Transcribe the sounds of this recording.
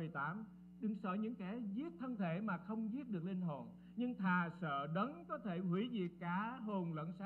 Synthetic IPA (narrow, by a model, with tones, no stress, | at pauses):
ɨ˨˩əjt̪aː˨˦m | ɗɨ˨˩ŋsə̰ː˧˩jɲɨ̰˧˥ŋkɛ˧˩zi˦˥ət̚t̪ʰə˧nt̪ʰe˧˩˨maː˨˩xə˧wŋ͡mzi˦˥ət̚ɗɨ˨˩ək̚li˧ŋɦo˨˩n | ɲɨ˧ŋt̪ʰaː˨˩sə̰ː˧˨ɗə˨˦nkɔ˨˦t̪ʰe˧˩hwi˧˩˦zi˨˩kkːaː˧˦ɦo˨˩nlə̰˧˨nsa˧